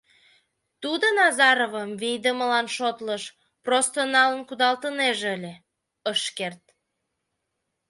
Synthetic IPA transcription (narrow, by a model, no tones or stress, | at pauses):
t̪ud̪onɑzɑɾovəmvijd̪əməlɑnʃot̪ləʃ | prost̪onɑlənkud̪ɑlt̪əneʒəlʲe | əʃkert̪